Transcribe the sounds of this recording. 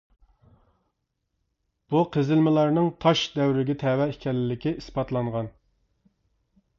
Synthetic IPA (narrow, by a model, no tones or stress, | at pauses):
b̥uqʰəzɪlmɪlˠɑɾnɨŋt̪ʰɑʃd̪ɛwɾɪɡʲɛt̪ʰɛwɛikʲʰɛlɪlɪkʲiispɑt̪lˠɑŋʁɑn